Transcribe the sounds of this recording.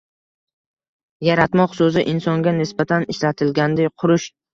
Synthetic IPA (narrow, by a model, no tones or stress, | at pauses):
jaɾat̪mɒqsɵzɪʔɪnsɒŋɡʲanɪsbat̪ʰanɪʃlat̪ʰɪlɡʲand̪ajqʰʊɾʊʃ